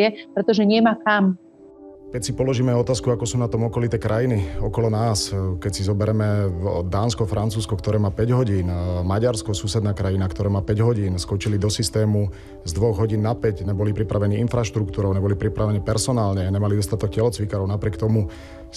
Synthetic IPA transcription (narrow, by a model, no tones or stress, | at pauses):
ɛpɾɛt̪ɔʒɛɲɪɛmaːkam | kɛcsipɔlɔʒiːmɛɔt̪aːskuakɔsuːnat̪ɔmɔkɔlit̪ɛːkɾʔajiniɔkɔlɔnaːskɛcsizɔbɛɾɛmɛd̪aːnskɔfɾant͡suːskɔkt̪ɔɾɛːmaːpɛɟɦɔɟiːnmaɟaɾskɔsusɛd̪naːkɾajinakt̪ɔɾɛːmaːpɛɟɦɔɟiːnskɔt͡ʃilid̪ɔsist̪ɛːmu | zd̪ʋɔɣɦɔɟiːnːapɛcɲɛbɔlipɾipɾaʋɛniːinfɾaʃt̪ɾuk̚t̪uːɾɔʊɲɛbɔlipɾipɾaʋɛniːpɛɾsɔnaːlɲɛɲɛmalid̪ɔst̪at̪ɔk̚cɛlɔt͡sʋikaɾɔʊnapɾɪɛk̚t̪ɔmu